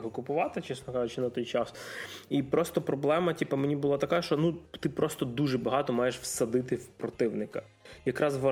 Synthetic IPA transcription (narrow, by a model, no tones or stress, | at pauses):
ɦɔkʊpʊʋɑt̪ɪt͡ʃɛsnɔkɑʒʊt͡ʃɪnɐt̪ɔjt͡ʃɑsipɾɔst̪ɔpɾɔblˠɛmɐtʲipɐmenʲibʊlˠɑt̪ɐkaʃt͡ʃɔnut̪ɪpɾɔst̪ɔd̪uʒɛbɐɦɑt̪ɔmɑjeʃwsɐd̪ɪt̪ɪwpɾɔt̪ɪwnɪkɐ | jɐkɾɑzʋɐ